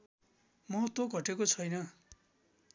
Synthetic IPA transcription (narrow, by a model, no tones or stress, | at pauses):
mʌt̪oɡʱʌʈekot͡sʰʌjnʌ